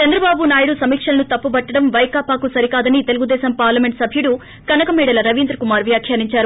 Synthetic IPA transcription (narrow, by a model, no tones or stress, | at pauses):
t͡ʃɐnd̪ɾɐbaːbunaːjɐɽusɐmiːkʂɐlɐnut̪ɐpːubɐʈːɐɽɐmʋɐjkaːpaːkusɐɾikaːd̪ɐnit̪e̞luɡud̪ɛːsɐmpaːɾlɐme̞ɳʈsɐbʱjuɽu | kɐnɐkɐmɛːɽɐlɐɾɐʋind̪ɾɐkumaːɾʋjaːkʰjaːniɲt͡ʃaːɾu